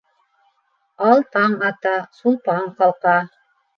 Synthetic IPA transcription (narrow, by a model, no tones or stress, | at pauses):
ɑlˠt̪ɑɴɑt̪ɑsulˠpɑɴqɑlˠqɑ